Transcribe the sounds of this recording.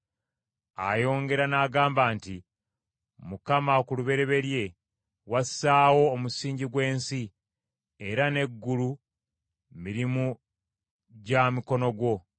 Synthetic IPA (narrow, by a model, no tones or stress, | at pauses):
a̰jo̞ːŋɡe̞ɾanaːɡaːmbaːnti | mukamaokuluβe̞ɾe̞βe̞ɾje̞ | wasːaːwo̞ːmusiːɲɟiɡwe̞ːnsi | eɾane̞ɡːulu | miɾimu | ɟamiko̞no̞ɡwo̞